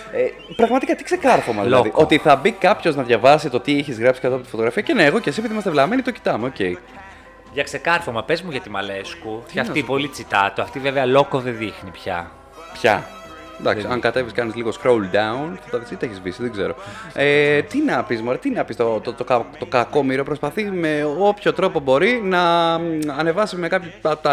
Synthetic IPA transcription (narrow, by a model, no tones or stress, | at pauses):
e | pɾɐɣmɐt̪ikɐt̪i̥kse̞kɐɾfomɐðillɐðiʔʔo̞t̪iθɐbikɐpço̞znɐðʝɐvɐsit̪o̞t̪iɛçizɣɾɐpsi̥kɐt̪ɐpot̪ifot̪oɾɐfiɐceneːɣo̞cesiepiðimɐst̪evlɐmenit̪oci̥t̪ɐmeo̞ce̞i | ʝɐkse̞kɐɾfomɐpezmuʝɐt̪imɐleskut̪ɐfipolit͡sit̪ɐt̪oɐft̪iveveɐlokoðeðixnipçɐ̰ | pçɐ̰ | d̪ɐksiɐŋkɐt̪e̞viskɐnizliɣo̞skɾowld̪ɐunθɐt̪ɐisit̪eçizvisiðeɡze̞̰ɾoet̪inɐpizmoɾɐt̪inɐpist̪ot̪ot̪okɐt̪okɐko̞miɾo̞pɾo̞spɐθime̞o̞pço̞t̪ɾo̞po̞bo̞ɾinɐː | ne̞vɐsime̞kɐpçot̪